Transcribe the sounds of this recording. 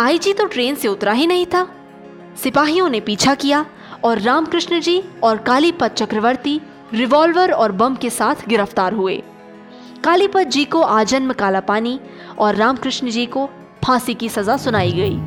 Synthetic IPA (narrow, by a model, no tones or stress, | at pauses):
aːid͡ʒit̪oʈɾeːnseʊt̪ɾaɦinɐɦĩt̪ʰaː | sɪpaːɦijõnepiːt͡ʃʰakija | ɔːɾːaːmkɾɪʃnd͡ʒiːɔːɾkaːlipɐt̪̚t͡ʃɐkɾəʋəɾt̪i | ɾɪʋɔːlʋəɾɔːɾbɐ̃mkesaːt̪ʰɡɪɾəft̪aːɾɦuḛː | kaːlipət̪̚d͡ʒiːkoʔaːd͡ʒənməkaːlapaːni | ɔːɾːaːmkɾɪʃnəd͡ʒiːko | pʰãːsikisɐzasʊnaːiɡɐḭː